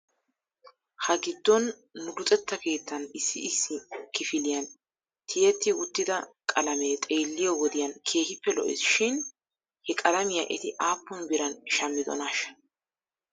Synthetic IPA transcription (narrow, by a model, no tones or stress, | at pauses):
hɐɡɪd̪ːɔnː | ʊdʊt̪ʼɛt̪ːɐke̞ːt̪ːɐnɪsːɪːsːɪkɪfɪlɪjɐn | t̪ʰɪjɛt̪ːɪʊt̪ːɪd̪ɐkʼɐlɐmeːt̪ʼeːlːɪjɔwɔd̪ɪjɐnkʰe̞ːhɪpːɛlɔ̰ʔɪ̰sʃɪn | hɛkʼɐlɐmɪjaʔɛt̪ɪʔaːpːɔnbɪɾɐnʃɐmːɪd̪ɔ̰naʃɐ̥